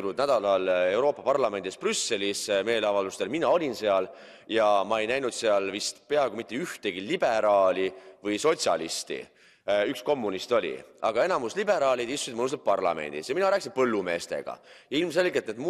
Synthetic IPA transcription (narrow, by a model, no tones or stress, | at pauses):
lud̪næd̪̥ɑlɑle̞wɾo̞ːpːˑɑpɑrlɑme̞nd̪isprysːe̞lisme̞ːlɑvɑld̪ust̪e̞lminɑo̞lʲinse̞ɑl | jɑmɑe̞jnæjnud̪̥seɑlvist̪pe̞ɑeɡomit̪ˑːeyht̪e̞ɡ̥ilib̥e̞ɾɑːlʲivɤjso̞t̪ʲsʲjɑ̰lḭst̪ḭ | yksko̞mːunist̪o̞lʲḭɑɡ̥ɑe̞nɑmuslibe̞ɾɑːlid̪̥ist̪usid̪mənus̬t̪ep̚pɑrlɑ̰me̞̰nʲd̪̥isjɑminɑɾæːkːˑsinpɤlːume̞ːst̪e̞̰ɡ̥ɑ̰jɑilmse̞lɡet̪ːet̪m